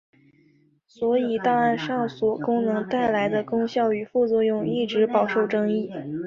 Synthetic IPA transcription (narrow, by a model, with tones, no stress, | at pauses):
swɔ˧˥i˨˩t̪a˥˧a˥˧nʂɑ˥˩ŋswɔ˨˩kʊ˥ŋnɤ˧˥ŋt̪a˥˩ɪla˧˥ɪd̪ə˧kʊ˥ŋɕjɑ˥˩ʊy˨˩fu˥˧t͡swɔ˥˧jʊ˥˧ŋi˥˩ʈ͡ʂɻ̩˧˥pɑ˨˩ʊʂo˥˩ʊʈ͡ʂɤ˥ŋi˥˩